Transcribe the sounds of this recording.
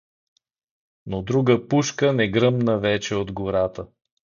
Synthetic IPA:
nod̪ɾuɡəpuʃkənɛɡɾɤmnəvɛt͡ʃɛod̪ɡoɾat̪ə

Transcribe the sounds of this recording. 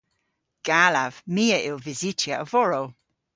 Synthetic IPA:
ɡ̥aːlav̥miːəʔɪlvɪzitʰjəəvɔɹow

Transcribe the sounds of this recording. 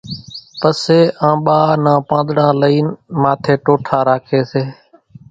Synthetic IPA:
pəseːʔãːɓaːnãːpãːnd̪ɽãːləiːnmaːt̪ʰeːʈoːʈʰaːɾaːkʰeːseː

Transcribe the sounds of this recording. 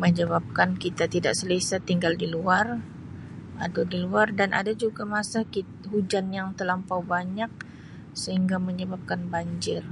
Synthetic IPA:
məɲəβap̚kankit̪at̪ida̰ʔsəlisat̪iŋɡaldiluar | adadiluardanʔa̰dad͡ʒuɡamasaki | ɦud͡ʒanjaŋt̪əlampawbaɲak̚ | səɦiŋɡaməɲəbap̚kanbaɲd͡ʒɪr

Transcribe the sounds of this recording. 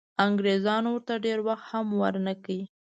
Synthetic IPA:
aŋɡɾezɑnwəɾt̪aɖeɾwaxt̪hamwəɾnəki

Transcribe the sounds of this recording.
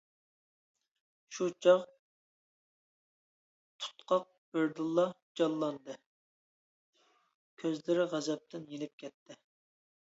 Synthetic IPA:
ʃut͡ʃʰɑʁ | t̪ʰu̥t̪qʰɑq̚b̥ɪɾd̪ɨlˠːɑd͡ʒɑlˠːɑnd̪ɨ | kʲʰøzlɪɾɪʁæzɛp̚t̪ʰɪnjenɪp̚kʲʰɛt̪ʰːɪ

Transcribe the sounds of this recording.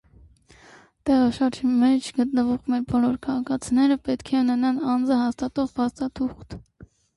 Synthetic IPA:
t̪ɛʁɑʃɑɾd͡ʒimɛt͡ʃʰɡət̪nəvɔʁmɛɾbɔlɔɾkʰɑʁɑkʰɑt͡sʰinɛɾəpɛt̪kʰɛunɛnɑnɑnd͡zəɦɑst̪ɑt̪ɔʁpʰɑst̪ɑt̪ʰuχt̪

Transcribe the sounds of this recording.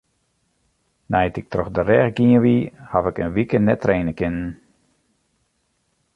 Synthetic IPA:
nɛjtɪk̚trɔxdərɛxɡiəʋihavɪkənʋikənɛtrejnəkɪnən̩

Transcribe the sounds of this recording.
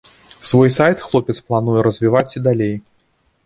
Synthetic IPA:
svɔjsajt̪xlˠɔpʲɛt̪splˠanujɛɾɐzʲvʲivat͡sʲid̪alʲej

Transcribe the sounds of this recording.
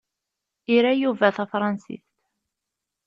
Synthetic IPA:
iɾæjuvæθæfɾˤɑnsḭst̪

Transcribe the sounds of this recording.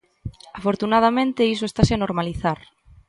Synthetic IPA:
afoɾt̪unað̞amẽnt̪eisoest̪asɪanoɾmaliθaɾ

